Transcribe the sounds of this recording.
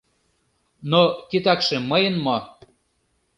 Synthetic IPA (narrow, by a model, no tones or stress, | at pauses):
nokit̪ɑkʃĕməjənmo